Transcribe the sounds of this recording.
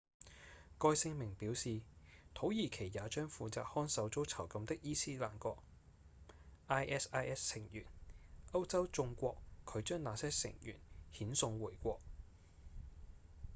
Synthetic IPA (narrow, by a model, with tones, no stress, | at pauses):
kɔː˧jsɪ˧ŋmɪ˨˩ŋpiː˨˥wsiː˨t̪ʰo˨˥wjiː˨˩kʰe˨˩jjaː˨˧t͡ʃœː˥ŋfuː˨˧t͡sa̰ː˧˨k̚hɔː˥nsɐ˨˥wt͡so˥wt͡sʰɐ˨˩wkɐ˧mt̪ɪ˥k̚jiː˥siː˥la̰ː˨˩nkɔː˧k̚ | ʔaː˥jʔɛː˥saː˥jʔɛː˥ssɪ˨˩ŋjyː˨˩nʔɐ˥wt͡sɐ˥wt͡sʊ˧ŋkʷɔː˧kkʰɵ˨˧ɥt͡ʃœː˥ŋnaː˨˧sɛː˥sɪ̰˨˩ŋjy̰ː˨˩nhiː˨˥nsʊ˧ŋwuː˨˩jkʷɔː˧k̚